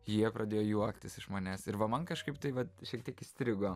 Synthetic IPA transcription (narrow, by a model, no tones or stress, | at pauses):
jiɛpɾʔɐd̪ʲeːjoːjuɔkt̪ʲɪsɪʃmɐːnʲæːsɪɾʋɐmɐnkɐʃkɐɪp̚t̪ɐɪʋɐt̪ʃʲiɛk̚t̪ʲiɛkɪsʲt̪ʲɾʲɪɡoː